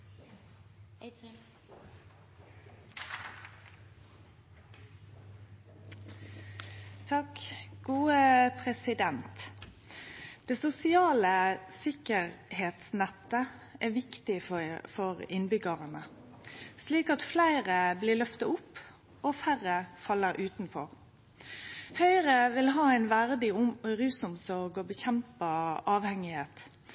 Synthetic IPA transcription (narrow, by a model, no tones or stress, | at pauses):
t̪ʰɑkɡ̥uːəpʰʁɛsɪd̪ɛnt̪ | d̪̥eːsʊsɪɑːləsɪkəʁheːt̪snɛt̪ːəʔɛʋɪkt̪ɪffɔɾɪnbʏɡəʁənə | sliːkɑt̪flæɪɾəblɪlœft̪ɑʊpː | ɔfærəfɑlːəɾʔʉːt̪nfɔʁ | hœʏɾəʋɪlɦɑːæɪnʋæʁd̪ɪʊmɔɾʉːsʊmsɔʁɡɔbəçɛmpɑʔɑːʋhɛŋɪheːt̪